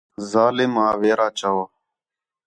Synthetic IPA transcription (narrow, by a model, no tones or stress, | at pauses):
zaːlɪmaːʋeːɾaːt͡ʃaʋaː